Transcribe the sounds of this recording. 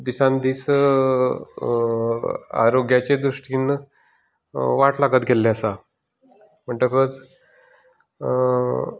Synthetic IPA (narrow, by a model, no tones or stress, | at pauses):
d̪isãnd̪iːs | a̰ɾoɡjat͡ɕed̪ɾuʂʈiːn | ʋaʈlaɡət̪ɡʱelːeəsa | m̤əɳʈ̪əkət͡s